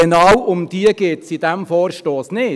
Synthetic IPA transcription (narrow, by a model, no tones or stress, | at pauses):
ənɑwʔʊmd̥iːəɡ̥eːt̪sid̥ɛmfoːɾʃtoːsnɪː